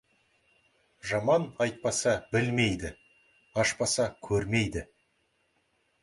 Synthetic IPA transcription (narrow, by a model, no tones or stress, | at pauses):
ʒɑmɑnɑjt̪̚pɑsɑbɪlmejd̪ɪ | ɑʃpɑsɑkʲʰɵɾme̞jd̪ɪ